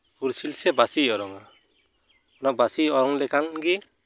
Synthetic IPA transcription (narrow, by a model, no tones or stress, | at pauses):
uɾsilsɛbasiɔɾɔŋa | nabasiɔɾɔŋlɛkanɡɛ